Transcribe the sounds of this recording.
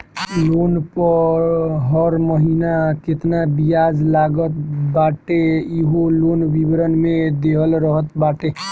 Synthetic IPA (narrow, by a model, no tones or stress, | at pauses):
lonpəɾɦəɾməɦinaket̪nabijad͡ʒlaɡət̪baʈeiɦolonʋibɾənmed̪eɦəlɾəɦət̪baʈe